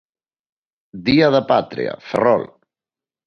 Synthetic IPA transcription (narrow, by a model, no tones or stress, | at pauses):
d̪iaðəpat̪ɾḭa̰fərɔ̰l